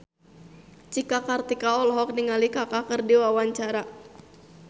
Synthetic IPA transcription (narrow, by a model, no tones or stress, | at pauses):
t͡ʃikakart̪ikaɔlɔɦɔk̚niŋalikakakərdiwawaɲt͡ʃaɾa